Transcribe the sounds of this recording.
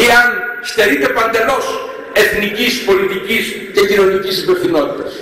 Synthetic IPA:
iɐnst̪e̞ɾit̪e̞pɐnd̪e̞lo̞s | e̞θnicispo̞lit̪icis | ce̞cino̞nicisibeθino̞t̪it̪ɐs

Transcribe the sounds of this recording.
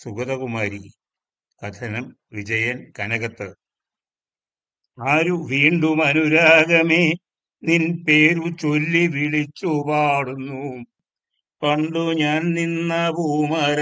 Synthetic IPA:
suɡɐðɐɣumaːɾi | kɐd̪ʰɐnɐm | ʋid͡ʑɐjɐnkɐnɐɣɐt̪ːɨ | aːɾuʋiːɳɖumɐnuɾaːɣɐme | ninpeːɾut͡ɕolːiʋiɭit͡ɕːupaːɽunːu | pɐɳɖuɲaːnninːabuːmaɾɐ

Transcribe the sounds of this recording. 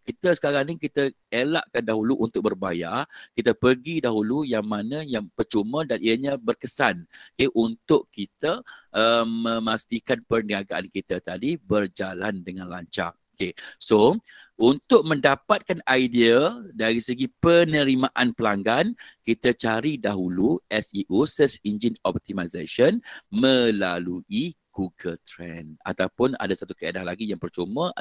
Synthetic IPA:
kit̪əsə̥kaɾaŋniŋkit̪ə | elaʔkandaɦuluʔunt̪ʊk̚bərbaja̰rkit̪əpərɡidaɦulujaŋmanə̃jaŋpət͡ʃumədanʔiəɲãbərkəsankeʔunt̪ʊʔkit̪əəmːə̃mast̪ikanpərnəŋaɡaʔa̰nkit̪at̪adibərd͡ʒalandəŋãnla̰ɲt͡ʃa̰okeso | ʔunt̪ʊʔ̚mə̃ndapat̪̚kanajdiədaɾisəɡipənə̃ɾimaʔanpəlaŋɡankit̪at͡ʃaɾidaɦuluɛsiʔusɛsind͡ʒinɔp̚t̪imajzaʃənmə̃laluiɡ̥uɡəlt̪ɾɛna̰t̪awpʊna̰dasat̪ukəedahlaɡijaŋpərt͡ʃumə

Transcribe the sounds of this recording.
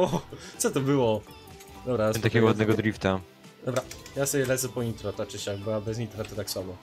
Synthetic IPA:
ɔt̪sɔt̪ɔbɘwɔ | d̪ɔbɾamt̪akʲɛɡɔwad̪nɛɡɔd̪ɾift̪a | d̪ɔbɾajasɔbʲjɛlɛt̪zɛpɔint̪ɾɔt̪at͡ʂɘɕaɡbɨwabɛzɲʲit̪ɾat̪ɛt̪akswabɔ

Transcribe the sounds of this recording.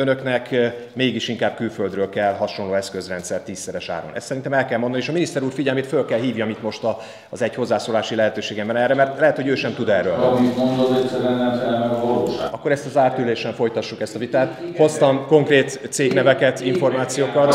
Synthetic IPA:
ønøknɛk | meːɡiʃiŋkaːb̚kylføld̪røːlkɛlːɦɒʃo̞nloːɛskøzrɛnt̪sɛrt̪iːsːɛɾɛʃa̰ːɾo̰nɛ̰st̪sɛɾint̪ɛmɛlkɛlmond̪ɒnieːʃɒminist̪ɛɾuːrfiɟɛlmeːt̪følkɛlɦiːvjɒmit̪mo̞ʃt̪ɒ | zɛɟho̞zːaːsoːlaːʃilɛɦɛt̪øːʃeːɡɛmbɛnɛrːɛmɛrt̪lɛɦɛt̪ho̞ɟøːʃɛmt̪ud̪ɛrːøːlmit̪mond̪oɛsɛɾɛnːɛmsɛlnɛvɒloːʃa̰ɒkːo̞ɾɛst̪ɒzaːrt̪yleːʃɛɱfo̞jt̪ɒʃːukɛst̪ɒvit̪aːt̪ho̞st̪ɒmko̞ŋkreːt̪ːseːɡnɛvɛkɛt̪iɱfo̞rmaːt̪sijoːkɒt̪

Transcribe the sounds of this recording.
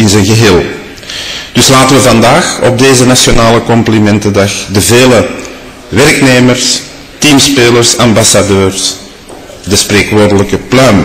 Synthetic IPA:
ɪnzənɣəɦeːlˠ | d̥ʏslaːtəʋəvɑndaːxɔ̰b̚deːzənasjonaːləkɔmplimɛntədɑxdəveːlə | ʋɛrkneːmərs | tiːmspeːlərsɑmbasadøːrs | dəspreːkʋoːrdələkəplœːm

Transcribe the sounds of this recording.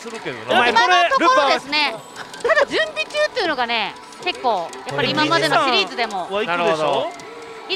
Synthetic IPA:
sɾɯked̪o̰imant̪o̞oɾod̪e̞sɨne̞ | t̪ad̪ad͡ʑɨ̃mbʲit͡ɕɨːt̪ːeiɯ̟noɡane̞ | ke̞kːo̞ːjapːaɾɾimamad̪e̞noɕiɾʲiːzɨd̪e̞mo̞nɾeo | i

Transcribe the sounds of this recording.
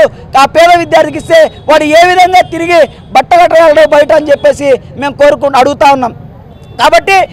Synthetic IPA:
u | aːpɛːd̪ɐʋid̪jaːɾt̪ʰikist̪e̞ːʋaːɽueːʋid̪ʱɐŋɡaːt̪iɾiɡi | bɐʈːɐlɐʈːɐɡaːlɐɽoːbɐjɐʈɐɐnt͡ʃepːe̞ːsi | me̞ːmkoːɾukuɐɽuɡut̪aːwunːaːm | kaːbɐʈːi

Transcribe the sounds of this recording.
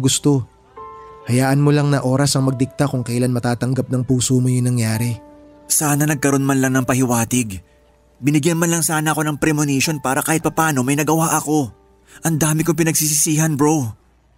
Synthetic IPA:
ɡʊst̪o̞ | hɐjaːʔɐnmolaŋnɐʔo̞ːɾɐsɐŋmɐɡ̚d̪ɪk̚t̪akʊŋkɐjlanmɐt̪aːt̪ɐŋɡap̚nɐŋpuːsomojʊŋnɐŋjaːɾɛ | saːnɐnɐɡ̚kɐɾo̞nmɐnlɐŋnɐŋpɐhɪwaːt̪ɪɡ | bɪnɪɡjɐnmanlɐŋsaːnɐɐko̞nɐŋpɾɛmoniʃo̞npaːɾɐkaːhɪt̪̚pɐpaːno̞mɐjnɐɡɐwaːʔɐko̞ | ʔɐnd̪aːmɪkop̬ɪnɐɡsis̬ɪsiːɦɐnbɾow

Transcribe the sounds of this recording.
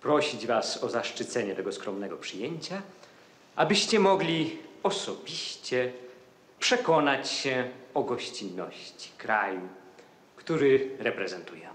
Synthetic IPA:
pɾɔɕid͡ʑvasɔzaʂt͡ʂɘt̪sɛɲɛt̪ɛɡɔskɾɔmnɛɡɔpʂɘjeɲt͡ɕa | ʔabɘɕt͡ɕɛmɔɡlʲiɔsɔbʲiɕt͡ɕɛ | pʂɛkɔnat͡ɕɕɛ̃ɔɡɔɕt͡ɕinːɔɕt͡ɕi̥kɾaju | kt̪uɾɘɾɛpɾɛzɛnt̪ujɛ

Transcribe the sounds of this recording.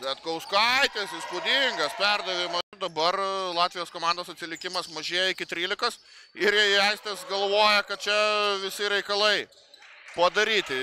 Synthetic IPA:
bʲɛt̪̚ɡɐʊskɐɪt̪ʲɛsɪskuːd̪ʲɪŋɡɐspʲɛrd̪ɐʋʲɪmɐd̪ɐbɐrlˠɑːt̪ʲʋʲɪjoːskoːmɑnd̪oːsɐt̪ʲsʲɪlʲɪkʲɪmɐsmɐʒʲeːjɛɪkʲɪt̪ʲɾʲiːlʲɪkɐs | ɪɾjɛɪɛɪsʲt̪ʲɛsɡɐlˠʋoːjɛkɐt̪̚t͡ʃʲɛʋʲɪsʲɪɾʲɛɪkɐlˠɐɪ | pɐd̪ɐɾʲiːt̪ʲɪ

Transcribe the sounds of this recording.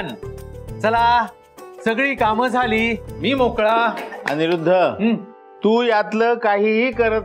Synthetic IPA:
nt͡səla | səɡɭiːkaməd͡zʱaliːmiːmokɭaa̰niɾud̪ʱːəɦ | t̪uːjat̪ləːkaɦiːɦiːkəɾət̪

